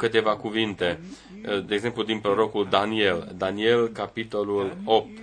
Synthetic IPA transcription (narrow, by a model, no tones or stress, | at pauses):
kɨt̪e̞vakuvint̪e̞ | d̪e̞eɡze̞mplud̪inpɾo̞ɾo̞kuld̪anie̞ld̪anie̞lkapit̪o̞lulo̞p̚t̪